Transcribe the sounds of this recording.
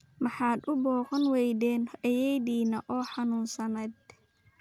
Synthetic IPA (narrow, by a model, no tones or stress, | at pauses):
mɑħɑːd̪ʊbɔːqɐnwɛjd̪ɛːnɐjɛjd̪iːnɐʔɔːħɑnuːnsɐnɛd̪̚